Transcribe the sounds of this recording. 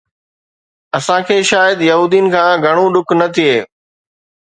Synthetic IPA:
ɐsãkʰeːʃaːjəd̪jɐɦuːd̪iːnɪ̆kʰãːɡʱɐɽ̃õɖʊkʰnɐt̪ʰieː

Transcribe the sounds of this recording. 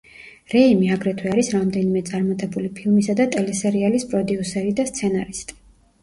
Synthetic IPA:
ɾɛimiaɡɾɛt̪ʰwɛaɾisɾamd̪ɛnimɛt̪sʼaɾmat̪ʼɛbulipʰilˠmisad̪at̪ʼɛlɛsɛɾialispʼɾɔd̪iusɛɾid̪ast̪sʰɛnaɾist̪ʼi̥

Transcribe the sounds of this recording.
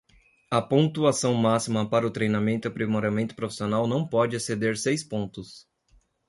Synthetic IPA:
ɐpõnt̪uasɐ̃w̃masimɐpaɾɐʊt̪ɾejnamẽnt̪ʊipɾimoɾamẽnt̪ʊ̥pɾofi̥sionawnɐ̃w̃pɔd͡ʒɪased̪eɾsejspõnt̪ʊs

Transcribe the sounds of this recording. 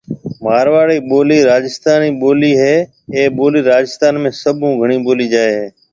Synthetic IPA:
maːɾʋaːɽiːɓoːliːɾaːd͡ʒɪst̪aːniːɓoːliːɦeː | ẽːɓoːliːɾaːd͡ʒɪst̪aːnmẽːsəbʱũːɡʱəɳiːɓoːliːd͡ʒaːeɦeː

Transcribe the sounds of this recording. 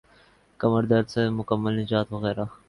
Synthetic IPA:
kɐməɾd̪aɾsemʊkɐmːalnɪd͡ʒɑːt̪wɐɣeːɾa

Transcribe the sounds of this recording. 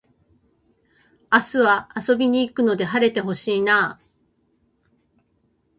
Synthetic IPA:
asɨβaːso̞bʲiɲ̟iːkɯ̟no̞d̪e̞ɦaɾe̞t̪e̞ɦo̞ɕiːnaː

